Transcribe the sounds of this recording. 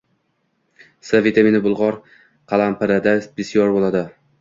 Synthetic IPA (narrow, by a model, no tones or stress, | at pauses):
savit̪ʰaminɪbʊlˠʁɒɾ | qʰɑlˠampʰɪɾad̪asb̥ɪsijɒɾbolˠad̪ɪ